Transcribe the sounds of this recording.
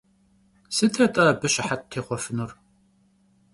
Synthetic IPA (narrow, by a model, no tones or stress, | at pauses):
sɨtʰɐtʼɐbɨɕɪħat̚tʰeːχʷɔfɨnuʊr